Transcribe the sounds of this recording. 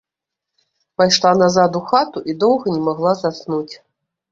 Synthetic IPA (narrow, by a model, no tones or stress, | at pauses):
pajʂlˠanazad̪uxat̪uʔid̪ɔwɣɐnʲɛmaɣlˠazat̪snut͡sʲ